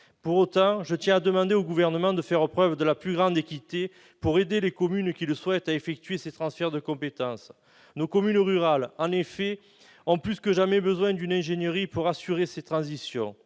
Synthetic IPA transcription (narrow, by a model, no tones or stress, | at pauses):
puʁot̪ɑ̃ʒət̪jɛ̃ad̪əmɑ̃d̪eoɡuvɛʁnəmɑ̃d̪əfɛʁəpχœvd̪əlaplyɡʁɑ̃d̪ekʲit̪e | puʁed̪elekɔmynkʲiləswɛt̪aefɛk̚t̪yɥeset̪χɑ̃sfɛʁd̪əkɔ̃pet̪ɑ̃s | nokɔmynʁyʁalɑ̃nefɛ | ɔ̃plyskəʒamɛbəzwɛ̃d̪ynɛ̃ʒeɲjəʁipuʁasyʁeset̪χɑ̃zisjɔ̰̃